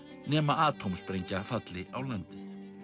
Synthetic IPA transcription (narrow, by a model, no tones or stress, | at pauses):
nɛːmaʔaːt̪ʰowmspɾejɲcafat̪lɪʔawlant̪ɪ